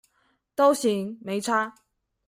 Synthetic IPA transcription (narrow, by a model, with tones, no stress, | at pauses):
t̪o˥wɕi˨˥ŋme˨˧˥jʈ͡ʂʰaː˥